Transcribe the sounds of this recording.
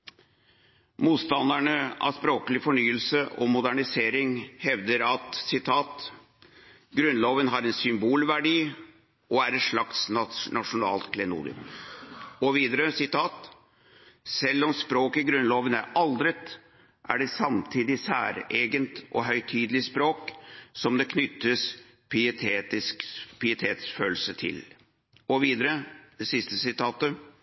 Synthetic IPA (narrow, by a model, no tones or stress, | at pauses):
muːt̪st̪ɑnd̪æɳəɑ̰ʋspɾoːkəlɪfɔɳyːəlsəʔɔmʊd̪æɳɪseːɾɪŋhɛʋd̪əɾɑt̪sɪt̪ʰɑːt̪ | ɡɾʉnloːʋənɦɑɾɛnsʏmbuːlʋæɖiː | ʔɔæɾɛʂɭɑkt̪snɑnɑʂʊnɑ̰ːlt̪kʰlɛnṵːd̪ɪ̰ | ɔʋiːd̪əɾəsɪt̪ʰɑːt̪ | sɛlːɔmspɾoːkəɡɾʉnloːʋənæɾɑld̪ɾət̪ | ʔæ̰ɖɛsɑmt̪ʰiːd̪ɪsæ̰ːɾeːɡənt̪ʔɔ̰ɦœʏt̪ʰyːd̪lɪspɾoːksɔmd̪ɛkʰnʏt̪ːəs | pʰɪt̪ʰeːt̪ɪskpʰɪɪt̪ʰeːt̪sføːlsət̪ʰɪ̰l | ɔʋiːd̪əɾəd̪̥ɛsɪst̪əsɪt̪ʰɑːt̪ə